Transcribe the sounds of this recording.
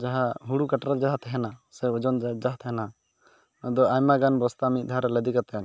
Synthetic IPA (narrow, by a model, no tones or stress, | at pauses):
d͡ʒaɦaɦuɽukaʈɾad͡ʒaɦat̪ʰɛɦɛnasɛɔd͡ʒɔnd͡ʒd͡ʒaɦt̪ʰɛɦɛna | ɔd̪ɔajmaɡanbɔst̪amit̪̚ˀd̪ʱaɾɛləd̪ikat̪ɛn